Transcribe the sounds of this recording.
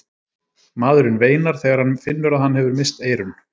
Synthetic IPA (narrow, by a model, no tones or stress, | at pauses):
maːðɾʏnveːjnaɾ̥θɛːɣaɾ̥hanfɪnːʏɾaðhanːhɛvʏɾmɪst̪eːjɾʏn